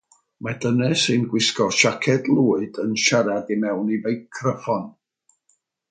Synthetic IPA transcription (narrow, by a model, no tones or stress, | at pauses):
madənɛsɨnɡwɪskɔrʃakʰɛdlˠuːɨdənʃaɾadimɛwnivejkʰːrəfɔn